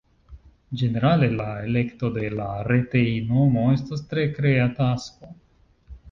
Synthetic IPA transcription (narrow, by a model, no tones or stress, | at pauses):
d͡ʒe̞ne̞ɾale̞lae̞le̞kto̞de̞laɾe̞tejnomo̞e̞stastɾe̞kɾe̞atasko